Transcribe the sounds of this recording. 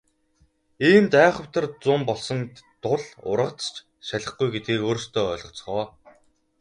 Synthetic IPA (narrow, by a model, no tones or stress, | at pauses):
iːmt̪æːχə̆w̥t̪ʰə̆rt͡sʊmpɔɮsɞ̆nt̪ʊɮʊ̰rʁə̆t͡st͡ɕ | ʃaɮʲə̆χɡujɡet̪̚ɡeːkoːɾ̆st̪ʰœːɮʁɞ̆t͡s̆χɔː